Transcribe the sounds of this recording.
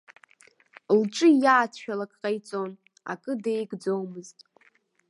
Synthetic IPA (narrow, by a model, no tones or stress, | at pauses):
lʈ͡ʂʼɨjaːt͡sʰʃᶣalakʼqʼajt͡sʼo̞n | a̰kʼɨdejɡd͡zo̞wmɨztʼ